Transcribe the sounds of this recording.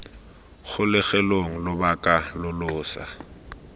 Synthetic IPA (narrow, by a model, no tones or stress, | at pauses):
χʊlɪɣɛloŋ̩lʊbakʼalʊlʊːsa̰